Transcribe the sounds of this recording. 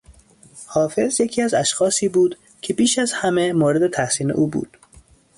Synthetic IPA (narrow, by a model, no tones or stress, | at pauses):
hɒːfe̞zje̞cʰiːæzæʃxɒːsiːbuːd̪ | cʰe̞biːʃæzhæme̞moːɾe̞d̪e̞t̪ʰæhsiːne̞̰ʔuːbṵːd̪̥